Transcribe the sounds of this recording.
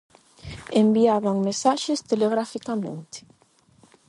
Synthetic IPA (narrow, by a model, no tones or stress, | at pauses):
embiaβaŋmesaʃɪst̪eleɣɾafikamẽnt̪ɪ̥